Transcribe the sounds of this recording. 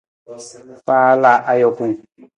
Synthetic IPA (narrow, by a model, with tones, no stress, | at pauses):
paː˦la˨ʔa˨jɔ˨kũ˦˨ŋ